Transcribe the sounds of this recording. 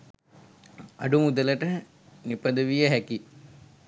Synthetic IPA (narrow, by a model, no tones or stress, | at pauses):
a̰ɖumud̪ələʈə | nipɐd̪əʋijəɦæki